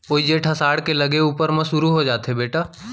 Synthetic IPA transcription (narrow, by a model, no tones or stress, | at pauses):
oːid͡ʒeːʈʰɐsaːɽkelɐɡeuːpəɾmɐ̃sʊɾuɦod͡ʒaːt̪ɦebeːʈaː